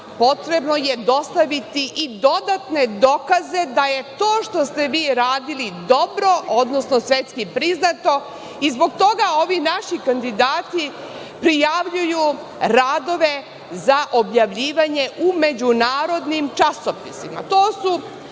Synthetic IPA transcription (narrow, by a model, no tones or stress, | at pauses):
po̞t̪ɾebno̞je̞d̪o̞st̪aʋit̪iʔid̪o̞d̪at̪ne̞d̪okaze̞d̪aje̞t̪o̞ːʃt̪o̞st̪e̞ʋiːɾaːd̪ilid̪o̞bɾo̞ʔo̞d̪nosno̞sʋet̪skipɾiznat̪o̞ | izbo̞ɡ̚t̪o̞ɡao̞ʋinaʃikand̪id̪aːt̪i | pɾijaʋʎuju | ɾaːd̪o̞ʋe̞ | zaʔobjaʋʎiːʋaɲe̞ʔume̞d͡ʑunaːɾod̪nimt͡ʃasopisima̰t̪oːsu